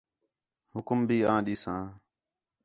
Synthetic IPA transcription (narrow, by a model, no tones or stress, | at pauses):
hʊkmbʱiːãːɗiːsãː